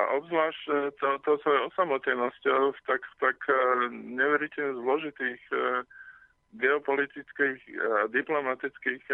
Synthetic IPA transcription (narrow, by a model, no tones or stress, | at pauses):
a̰ʔɔbzlaːʃt̪ɔt̪ɔsɔjɛɔsamɔt̪ɛnɔscɔxt̪akt̪ak | ɲɛʋɛɾicɛɲɛzlɔʒit̪iːx | ɡɛɔpɔlit̪it͡skiːxad̪iplɔmat̪it͡skiːx